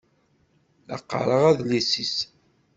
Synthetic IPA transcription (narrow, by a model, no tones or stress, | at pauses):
ə̰qːə̰ɾˤəʁæðlisis